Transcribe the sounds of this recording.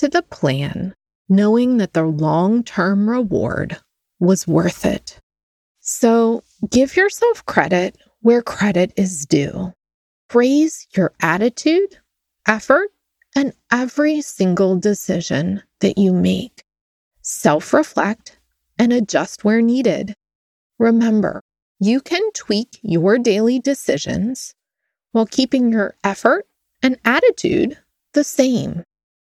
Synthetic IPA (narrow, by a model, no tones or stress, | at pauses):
tʰɨðəpʰl̥æ̃nː | oʊɪ̃ŋðɨt̪̚ðəlɔ̃ŋtʰɜ̃˞mɹɪwɔ̰ɹd̚ | wʌzwɜ̰˞θɪ̰t̚ | soʊ | ɡ̥ɪvjə˞sɛlˠfkʰɹ̥ɛɾɪt̚ | wə˞kʰɹ̥ɛɾɨɾɪzdʉ̰ | ɹeɪz̥jə˞ʔæɾɨtʰʉɾ | ʔɛfə˞ɾ | ʔɨ̃nʔɛvɹisɪ̃ŋɡl̩ˠdɨsɪʒɨ̰̃nðɨ̰t͡ʃɨmeɪk | sɛlˠfɹɨflɛk̚t | ɨ̃nɨd͡ʒʌst̚wɛɹniɾɪ̰d | ɹɨmɛ̃mbə̰˞ | jɨkʰɨ̃ntʰw̥ikjə˞deɪlˠidɨsɪʒɨ̰̃nz̥ | waɪlˠkʰipɪ̃ŋjə˞ʔɛfə˞ɾ | ɨ̃næɾɨtʰʉ̰d̪̚ | ðɨsẽɪ̃m